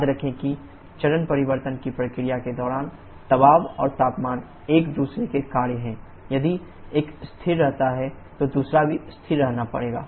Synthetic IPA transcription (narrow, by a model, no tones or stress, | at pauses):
jad̪ɾɐkʰẽki | t͡ʃɐɾənpɐɾɪʋəɾt̪ənkipɾɐkɾijaked̪ɔːɾaːn | t̪ɐbaːʋɔːɾt̪aːpmaːn | eːkd̪uːsɾekekaːɾeɦɛ̃ | jɐd̪i | eːkst̪ʰɪɾːɛɦt̪aɦɛ | t̪od̪uːsɾabʱist̪ʰɪɾːɛɦnapɐ̰ɽeːɡa̰ː